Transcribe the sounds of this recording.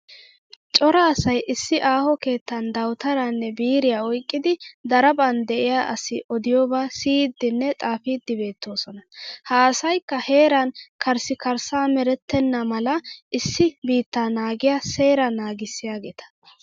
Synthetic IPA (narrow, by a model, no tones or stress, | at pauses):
t͡ʃʼɔɾɐːsɐjʔɪsːɪʔaːhɔke̞ːt̪ːɐnd̪ɐwt̪ɐɾɐnːɛbiːɾɪjaːɔjkʼːɪd̪ɪd̪ɐɾɐbɐnd̪ɛʔɪjaʔɐsɪʔɔd̪ɪjoːbaːsiːd̪ːɪnːɛt̪ʼaːfɪd̪ːɪbe̞ːt̪ːo̞ːsɔnɐhaːsɐjkːɐhe̞ːɾɐnkʰɐɾsɪkɐɾsaːmɛɾɛt̪ːɛnːɐmɐlɐʔɪsːɪbiːt̪ːaːnaːɡɪjase̞ːɾɐnaːɡɪsːɪjaːɡeːt̪ɐ̥